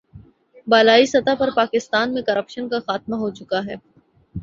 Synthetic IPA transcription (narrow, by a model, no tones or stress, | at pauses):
baːlaːisɐt̪apɐɾpaːkɪst̪aːnmẽkɐɾəpʃənkaxaːt̪̚maɦot͡ʃʊkaɦɛː